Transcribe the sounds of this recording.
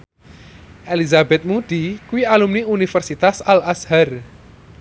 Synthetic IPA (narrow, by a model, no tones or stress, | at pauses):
ʔelizabɛt̪̚mud̪̥ikuwialumniunifɛrsit̪asalashar